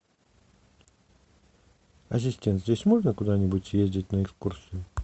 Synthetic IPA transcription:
ɐs̬ʲɪsʲtʲent̪zʲdʲesʲmoʐnəkʊd̪anʲɪbʊtʲjezʲdʲɪtʲnəɛkskursʲɨjʊ

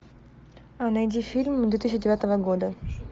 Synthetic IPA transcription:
ɐnɐjdʲifʲilʲmd̪vʲet̪is̬ʲɕɪdʲɪat̪əvəɡod̪ə

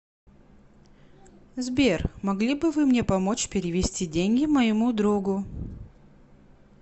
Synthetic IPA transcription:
zbʲermɐɡlʲibɨvɨmnʲepɐmo̞t͡ɕpʲɪɾʲɪvʲɪsʲtʲidʲenʲɡʲɪməjɪmud̪ɾuɡʊ

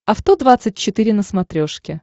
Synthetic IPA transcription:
ɐft̪od̪vat̪sɨt̚ʲt͡ɕːɪt̪ɨɾʲɪnəsmɐt̪ɾʲo̞ʂkʲɪ

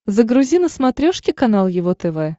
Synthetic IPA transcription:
zəɡɾʊzʲinəsmɐt̪ɾʲoʂkʲɪkɐnalˠjɪvot̪ɛvɛ

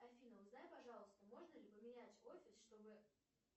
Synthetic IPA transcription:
ɐfʲinəvznajpɐʐɑlˠəst̪əmo̞ʐnəlʲɪpəmʲɪnʲætʲo̞fʲɪsʂt̪o̞bɨ

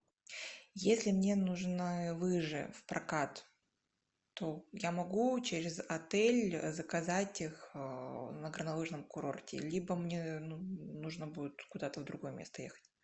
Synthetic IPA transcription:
jesʲlʲɪmnʲe̞nuʐnɨvɨʐɨ̰fpɾʔɐkat̪ | ojamɐɡut͡ɕɪɾʲɪzɐt̪ɛlʲzəkɐzatʲix | nəɡɾənɐlˠɨʐnəmkʊɾo̞̰rtʲɪ̰lʲibəmnʲenunuʐnəbudʲɪt̪kʊd̪at̪əvd̪ɾʊɡo̞jəmʲest̪əjḛxə̥tʲ

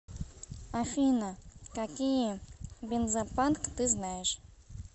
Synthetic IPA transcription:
afʲinakakʲijɛbʲenzapʼankʰʼt̪ɨznajʒ

